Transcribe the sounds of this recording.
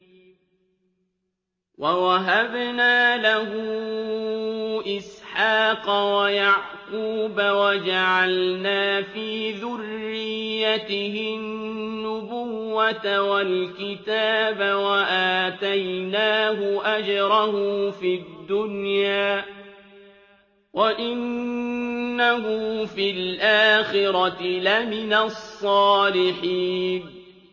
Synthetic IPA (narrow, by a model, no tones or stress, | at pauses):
wawaɦabnaːlahʊ | ʔɪsħɑːqɑwajaʕquːbawad͡ʒaʕalnaːfiːðʊrːɪjːat̪ɪhɪnnːʊbʊwwːat̪awalkɪt̪aːbawaʔaːt̪ajnaːɦʊʔad͡ʒɾˤɑhʊfid̪ːʊnjaː | waʔɪnː | aɦʊfilʔaːxɪɾɑt̪ɪlamɪnasˤːɑːlɪħiːn